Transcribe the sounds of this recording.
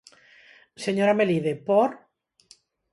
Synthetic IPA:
seɲoɾameliðepoɾ

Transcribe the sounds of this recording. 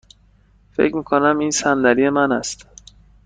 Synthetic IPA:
fḛcʰmiːkʰonæmiːnsænd̪æɾije̞mænæst̪

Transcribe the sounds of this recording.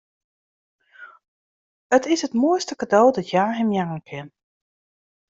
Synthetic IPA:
ətɪshətmuəjstəkadowdɔtʰjaːɦɪmjaŋənkʰɪn

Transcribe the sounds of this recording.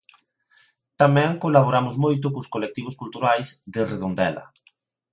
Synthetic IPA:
t̪amɛ̃ŋkolaβ̞oɾamozmojt̪̬ʊkoskolek̚t̪iβoskult̪uɾajzðereðõnd̪ɛla̰

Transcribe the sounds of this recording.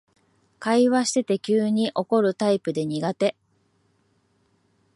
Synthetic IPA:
kaiβaɕi̥t̪e̞t̪e̞kʲɨːɲ̟iʔo̞ko̞ɾɯ̟t̪aipɯ̟d̪e̞ɲ̟iɡat̪e̞

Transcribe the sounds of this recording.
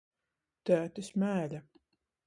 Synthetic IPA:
t̪æːt̪ismæːlʲa

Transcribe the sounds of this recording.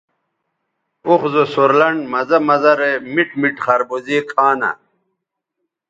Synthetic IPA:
uχzosuɾlɐɳmɐzɐmɐzɐɾemiʈmiʈχɐɾboziːkʰaːnɐ̰

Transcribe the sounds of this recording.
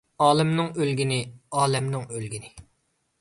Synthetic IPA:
ɑːlˠɨmnɨŋølɡʲinɪɑːlɛmnɪŋølɡʲinɪ

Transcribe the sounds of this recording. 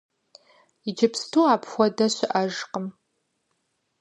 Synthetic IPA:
id͡ʒɪpʰstʰuaːpʰxʷɐdɐɕʷɪʔɐʒqəm

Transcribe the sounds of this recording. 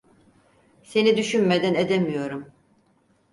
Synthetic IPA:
se̞nid̪yʃynmed̪æned̪emijo̞ɾum

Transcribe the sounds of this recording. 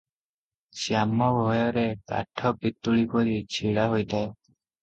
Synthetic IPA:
sjamːɔbʱɔjɔɾepa̰ʈʰɔpit̪ːuɭipɔɾit͡ʃʰiɽaɦojt̪ʰae

